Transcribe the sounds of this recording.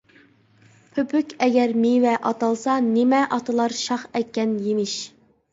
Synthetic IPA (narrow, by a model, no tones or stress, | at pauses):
pʰøpʰykʲɛɡʲɛɾmiwɛʔɑt̪ɑlˠsɑnɪmɛʔɑt̪ʰɨlˠɑɾʃɑχɛkʲːɛnjemɪʃ